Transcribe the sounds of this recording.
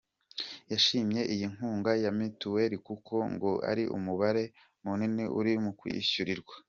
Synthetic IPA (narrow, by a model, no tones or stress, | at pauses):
jaʃiːmje̞ʔijiŋ̥huːŋɡajamituwe̞ɾikukʰo̞ŋɡoa̰ɾiʔṵmuβaɾe̞ | muniniʔuɾimukwḭɕuɾiɾɡwḁ